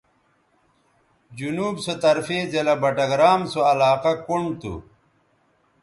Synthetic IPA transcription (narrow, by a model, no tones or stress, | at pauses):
d͡ʑunuːbsot̪ɐɾfeːd͡ʑɐlɐbɐʈɐɡɾaːmsoɐlaːqɐkuɳɖt̪ṵ